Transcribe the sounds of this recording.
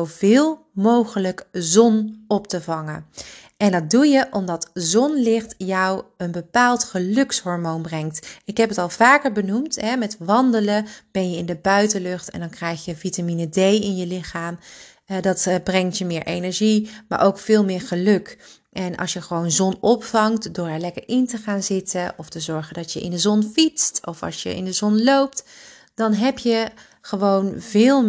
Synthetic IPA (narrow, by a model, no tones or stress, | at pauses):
owvɪːlˠ | mowχələkzɔnɔp̚təvɑŋə | ɛndɑt̚dujəʔɔmdɑtzɔnlɪχtjɔwənbəpaːlˠtχəlɵksɦɔɹmonbrɛŋktɪkɦɛpətɑlˠv̥aːkəɹbənumtɦɛmɛtʋɑndələb̥ɛnjəɪndəbœɥtəlɵχtɛ̰ndɑnkrɛjχjəvitaminədejɪnjəlɪχaːm | dɑtbrɛŋtjəmɪːɹʔejnɛɹʒima̰ːɹʔowkfɪːlˠmɪːɹχəlɵk | ʔɛnʔɑ̰lˠʃjəχəʋownzɔnɔpfɑŋtdʊːɹɛɹlɛkəɹɪntəχaːnzɪtəʔɔftəzɔɹχəndɑtjəʔɪ̰ndəzɔnfitstɔfɑ̰lˠsjə̰ʔɪ̰ndəzɔnlowp̚t | d̥ɑnɦɛpjə | χəʋownvɪːlˠ